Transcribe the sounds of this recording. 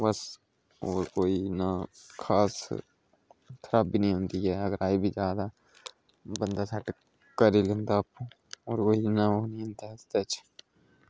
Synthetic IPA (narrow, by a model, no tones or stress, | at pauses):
bəs | oːɾkoːinakʰaːs | t̪ʰəɾab̚binəɦĩɦõːnd̪iɦɛːɐɡəɾaːibʱid͡ʒjaːd̪a | bənd̪asʰɛʈ | kəɾilẽːnd̪apo | oːɾkoːinaonĩɦõnd̪ast̪ɛt͡ʃʰ